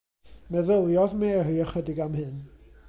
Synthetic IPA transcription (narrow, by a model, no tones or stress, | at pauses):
mɛðəlˠjɔðmɛriəχədɪɡamhɨn